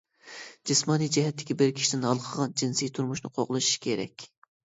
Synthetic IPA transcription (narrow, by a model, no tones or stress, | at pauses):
d͡ʒɪsmɑnijd͡ʒɛɦɛt̪ʰːɪ̥kʲibɪɾkʲʰi̥ʃid̪ɪnɑlˠəqʰəʁɑnd͡ʒinsijt̪ʰuɾmuʃnɨ̰qʰoʁlˠɨʃi̥ʃkʲʰeɾɛ̰kʲ